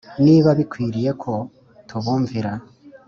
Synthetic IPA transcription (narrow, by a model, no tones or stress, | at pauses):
niβaβikwiːɾije̞kʰo̞ | tʰuβuːɱviɾa